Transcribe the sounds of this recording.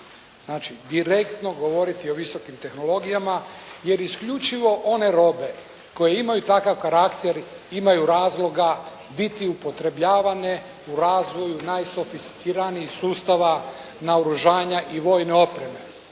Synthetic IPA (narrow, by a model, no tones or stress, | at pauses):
znaːt͡ʃid̪iɾe̞kt̪no̞ɡo̞ʋo̞ɾit̪io̞ʋiso̞kimt̪e̞xno̞lˠo̞ɡijamaje̞ɾiskʎut͡ʃiʋo̞ʔo̞ne̞ɾo̞be̞ | ko̞je̞imajut̪akaʋkaɾakt̪e̞ɾ | imajuɾaːzlo̞ɡa | bit̪iupo̞t̪ɾe̞bʎaːʋane̞ | uɾaːzʋo̞junajso̞fist̪i̥t̪siɾaniixsuːst̪aʋa | naoɾuʒaːɲaʔiʋo̞jne̞o̞pɾe̞me̞